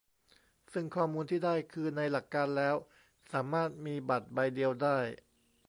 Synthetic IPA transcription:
sɯ˥˩ŋkʰɔː˥˩muː˧nt̪ʰiː˥˩daː˥˩jkʰɯː˧na˧jla˨˩kːaː˧nlɛː˦˥w | saː˩˦maː˥˩t̪̚miː˧ba˨˩t̪̚ba˧jdi˧əwdaː˥˩j

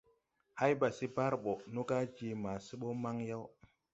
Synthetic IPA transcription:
ha˦jba˨si˦ba˦ɾɓo˨nu˦ka˦d͡ʒi˨ma˨si˦ɓo˦ma˦ŋja˦w

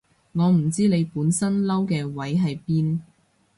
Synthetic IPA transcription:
ŋɔː˨˧m̩˨˩t͡siː˥ne˨˧jpuː˨˥nsɐ˥nlɐ˥wkɛː˧wɐ˨˥jɦɐ˨jpiː˥n

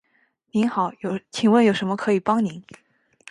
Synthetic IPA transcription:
ni˧˥nxɑ˨˩˦ʊjo˨˩ʊt͡ɕʰi˨˩ŋwə˥˩njo˨˩ʊʂə˧˥mə˧kʰɤ˧˥i˨˩pɑ˥ŋni˧˥˦n

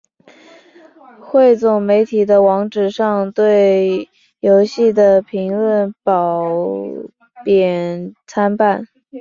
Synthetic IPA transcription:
xwe˥˧ɪt͡sʊ˨˩ŋme˧˥ɪt̪ʰi˨˩d̪ə˦wɑ˧˥ŋʈ͡ʂɻ̩˨˩ʂɑ˥˧ŋt̪we˥˩ɪ | jo˧˥ʊɕi˥˩d̪ə˩pʰi˧˥ŋlə˥˩npɑ˨˩ʊʊʊ | pjɛ˨˩nt͡sʰa˥npa˥˩n

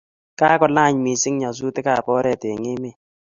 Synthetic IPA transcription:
ka˦kɔ˨la˦˨ɲmi˨sɪ˦ŋɲa˨s̬u˦t̪ɪ˦ka˦˨pɔ˦ɾɛ˦˨t̪e˨ŋɪ˦mɪ˦˨

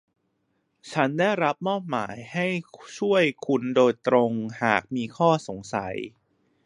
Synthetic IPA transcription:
t͡ɕʰa˦˥ndaː˥˩jɾa˦˥p̚mɔː˥˩p̚ma̰ː˩˦jha˥˩jt͡ɕʰu˥˩əjkʰu˧ndoː˧jt̪ɾo˧ŋha̰ː˨˩k̚miː˧kʰɔː˥˩so˩˦ŋsa̰˩˦j

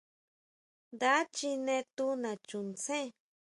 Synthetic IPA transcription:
nd̪a˦t͡ʃi˧nẽ˧t̪u˦nã˨t͡ʃũ˨nt͡sẽ˦˧

